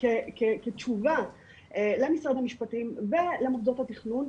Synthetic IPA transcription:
kekeket͡ʃuva | elemisʁad̪hamiʃpatimve̞lemafdothat̪iχnun

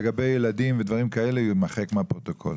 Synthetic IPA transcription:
eɡabe̞jelad̪imved̪vaʁimkae̞lejitmaχekmeapʁo̞t̪o̞kʰo̞̰l

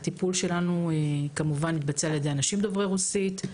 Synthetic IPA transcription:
t̪ipulʃe̞lanuekamuvanːit̪̚bat͡sealjedeanaʃimd̪ovʁeʁusit̪

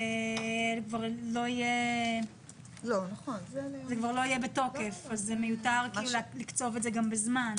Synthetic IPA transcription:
ekvaʁlo̞ije | lonaχonzekvaʁloijebeto̞ke̞fazːemejutaʁkiluullikt͡so̞vetzeɡambezman

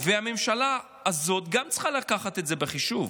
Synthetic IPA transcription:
vehame̞mʃala | azo̞t̪ɡamt͡sχalakaχat̪etzebeχiʃuv

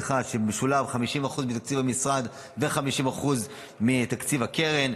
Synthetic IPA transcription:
χaʃebeʃulavχamiʃimaχuzmit̪akt͡sivamisʁad̪ | veχamiʃimaχuz | mit̪akt͡sivakeʁen

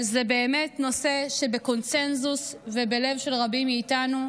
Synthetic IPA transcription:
zebeːme̞tno̞se̞ʃebeko̞nse̞nzusve̞be̞le̞vʃe̞lʁabimːiːtanu

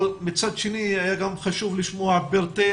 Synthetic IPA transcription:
mit͡sad̪ʃeniajaɡamχaʃuvliʃmoabeʁt̪e

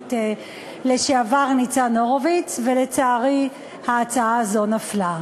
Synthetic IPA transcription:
te | leʃeavaʁnit͡sanoʁovit͡svele̞t͡saːʁi | haːt͡saaazonafla

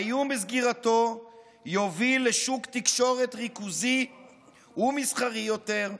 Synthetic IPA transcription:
jumizɡiʁat̪o̞ | jovileʃukt̪ikʃo̞ʁe̞tʁikuzi | umisχaʁijo̞t̪e̞ʁ

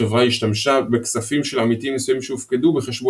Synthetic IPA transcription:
evʁaiʃt̪amʃabe̞ksafimʃe̞lamit̪iimːjesujimʃeufkedube̞χe̞ʃbo

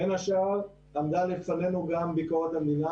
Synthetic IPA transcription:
enaʃaʁ | lamd̪alefane̞nuɡambikoʁat̪amd̪ina

